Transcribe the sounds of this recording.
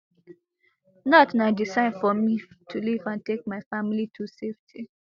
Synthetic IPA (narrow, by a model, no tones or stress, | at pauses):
nɔtnaɪdisãɪ̃nfɔmitʰulivãntek̚maɪfamilitʰuseftʰi